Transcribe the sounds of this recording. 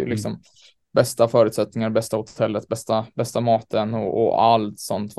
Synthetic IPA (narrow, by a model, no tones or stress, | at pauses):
ə̰lɪksɔm | bɛst̪afœːɾʉ̟t̪sɛt̪nɪŋaɾbɛst̪aʊt̪hʊ̥t̪ʰɛlːət̪bɛst̪abɛst̪amɑːt̪ənɔɔ̰a̰lt̪sɔnt̪v